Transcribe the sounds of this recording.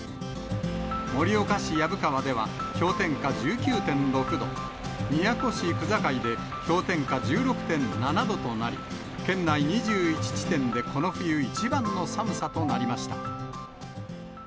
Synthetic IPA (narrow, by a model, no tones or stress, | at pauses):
mo̞ɾʲio̞kaɕijabɯ̟kaβad̪e̞β̞a̰çʲo̞ːt̪ẽ̞ŋkad͡ʑɨːkʲɨːt̪ẽ̞nɾo̞kɯ̟d̪o̞ | mʲijako̞ɕikɯ̟zakaid̪e̞ | çʲo̞ːt̪ẽ̞ŋkad͡ʑɨːɾo̞kɯ̟̥t̪ẽ̞nnanad̪o̞t̪o̞naɾʲḭ | kẽ̞nːaiɲ̟iʑɨːit͡ɕi̥t͡ɕi̥t̪ẽ̞nd̪e̞kʰo̞no̞ɸɯ̟jɯit͡ɕibãnːo̞samɯ̟sat̪o̞naɾʲimaɕi̥t̪ḁ̰